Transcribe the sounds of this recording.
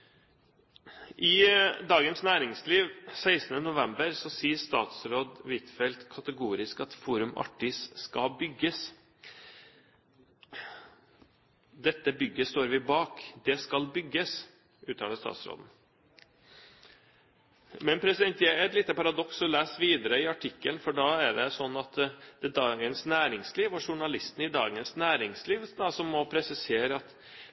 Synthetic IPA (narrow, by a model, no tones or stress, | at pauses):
ʔɪd̪ɑːɡənsnæːɾɪŋsliːʋsæɪsənənʊʋɛmbəɾsɔsiːəʂt̪ɑːt̪sɾoːd̪ʋɪt̪fɛlt̪kʰɑt̪əɡuːɾɪskɑt̪fuːɾʉmɑ̰ʈːɪsːkɑlbʏɡːəs | d̪ɛt̪ːəbʏɡːəst̪oːɾʋɪbɑːkd̪ɛskɑlbʏɡːəs | ʔʉːt̪ʰɑ̰ːd̪əst̪ɑ̰ːt̪sɾo̰ːd̪n̩ | mɛnpʰɾɛsɪd̪ɛnt̪jɛɛt̪lɪːt̪ːəpɑɾɑd̪ɔksɔlæːsʋiːd̪əɾəɪɑʈʰɪkːəlnfɔɖɑæɖɛsɔnːɑt̪d̪̥ɛd̪ɑːɡənsnæːɾɪŋsliːʋɔʂʊɳɑlɪst̪n̩ɪd̪ɑ̰ːɡənsnæːɾɪŋsliːʋd̪ɑsɔmːɔpʰɾɛsɪseːɾəɑt̪